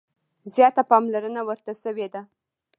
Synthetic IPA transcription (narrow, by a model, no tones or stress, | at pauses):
zjɑt̪apɑmlaɾənawəɾt̪aʃəwed̪a